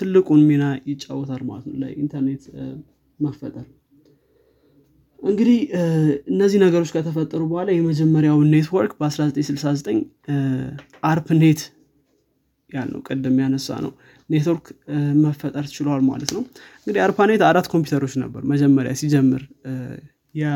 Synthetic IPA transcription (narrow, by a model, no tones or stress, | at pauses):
t̪ʰɨlːɨkʼunmenajɪt͡ʃʼːawɔt̪ʰalma̰lət̪nə̰wla̰jʔint̪ʰəɾne̞t̪ | məfət̪ʼəɾ | ʔɨŋɡɨd̪ihɨnːəzːihnəɡəɾo̞t͡ʃːkʰət̪ʰəfət̪ʼːəɾubəhʷalajɛməd͡ʒɛmːəɾjawne̞t̪wɔɾkʼbəasɾazət̪ʼəɲsɨlsazət̪ʼəɲː | ʔaɾpne̞t̪ | jalnə̰wkʼɨd̪ːɨmjanəsːa̰nə̰w | ne̞t̪woɾkməfːət̪ʼəɾt͡ʃɪləwalma̰lət̪nəwɨŋɡɨd̪iaɾpane̞t̪aɾat̪ːkʰo̞mp̬ʰjut̪ʰəɾo̞t͡ʃːnə̰bːəɾməd͡ʒɛmːəɾja̰sid͡ʒɛmːɨɾ | jɛ